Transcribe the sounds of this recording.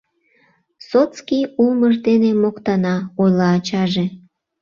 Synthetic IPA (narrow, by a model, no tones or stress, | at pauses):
sot̪t͡skijuməʒd̪enemokt̪ɑnɑojlɑːt͡ɕɑʒe